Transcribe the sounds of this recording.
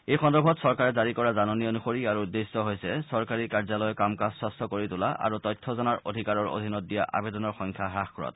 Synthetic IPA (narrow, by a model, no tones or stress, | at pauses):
ejxɔndɔɹbʱɔtsɔɹkaɹɛzaɹikɔɹazanɔnijɔnuxoɹiaɹuudːesːɔɦojsɛsɔɹkaɹikaɹzalɔjɔkamkaswɔstʰɔkoɹitʊla̰ʔa̰ɹutɔjtʰːɔzɔnaɹʔo̰dʱikaɹɔɹo̰dʱinɔt̚dija̰ʔa̰bedɔnɔɹxɔŋkʰaɦɹaxkɔɹɔ̰t̚